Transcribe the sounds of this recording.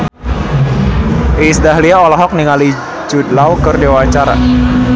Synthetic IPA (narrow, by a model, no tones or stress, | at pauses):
ʔisdaɦliaɔlɔɦɔk̚niŋali | d͡ʒud̪lawkərdawat͡ʃaɾa̰